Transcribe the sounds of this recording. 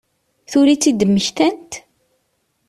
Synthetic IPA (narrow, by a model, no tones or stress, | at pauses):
θʊɾit͡sːid̪əmːəçt̪ænt̪